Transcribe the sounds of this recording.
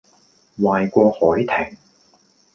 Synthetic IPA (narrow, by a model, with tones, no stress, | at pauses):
waː˨jkʷɔː˧hɔː˨˥jt̪ʰɪ˨˩ŋ